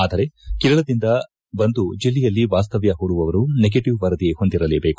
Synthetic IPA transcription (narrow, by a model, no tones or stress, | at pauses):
aːd̪ɐɾe̞kiɾɐɭɐd̪ind̪ɐ | bɐnd̪ud͡ʒilːɛjɐlːiʋaːst̪ɐʋjɐɦuːɽuʋɐʋɐɾuneɡeʈiʋʋɐɾɐd̪iɡeho̞nd̪iɾɐleːbe̞ːku